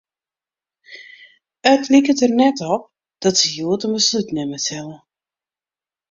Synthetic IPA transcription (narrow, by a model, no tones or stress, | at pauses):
ətlikətərnɛtɔp̚ | d̥ɔtsəjuətəmbəslutnɪməsɛlˠə